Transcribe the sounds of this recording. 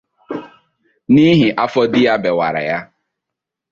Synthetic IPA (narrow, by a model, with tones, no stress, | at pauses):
ni˦ɦɪ˨ʔa˦fɔ˦dɪ˦ja˦be˨wa̰˨ɾa̰˨ja˦